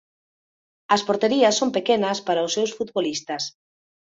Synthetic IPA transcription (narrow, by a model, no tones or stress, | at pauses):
ɐspoɾt̪eɾiɐsːompekenɐspaɾaʊsːewsfut̪βolist̪ɐs